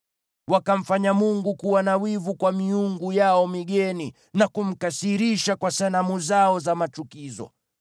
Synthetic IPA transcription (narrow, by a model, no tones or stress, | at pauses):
wakam̩faɲamuŋɡukuwanawivukwamiuŋɡujaɔmiɠɛni | nakum̩kasiɾiʃakwasanamuzaɔzamat͡ʃukizɔ̰